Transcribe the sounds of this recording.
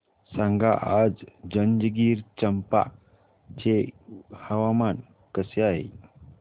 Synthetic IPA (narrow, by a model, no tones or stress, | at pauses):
sãŋɡaʔad͡zd͡ʒənd͡ʒəɡiːɾt͡ɕəmpa̰ | d͡ʒehəʋaman | kəseaɦḛ